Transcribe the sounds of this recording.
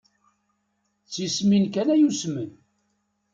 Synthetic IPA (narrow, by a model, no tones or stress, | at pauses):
t͡sːisminkænæjusmən